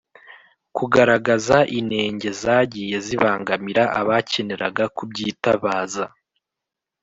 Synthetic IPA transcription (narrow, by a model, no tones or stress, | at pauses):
kuɡaɾaɡazaʔinhe̞ːɲɟe̞zaːɟije̞ziβaːŋɡamiɾaʔaβace̞ne̞ɾaɡakubɟiːtaβaːza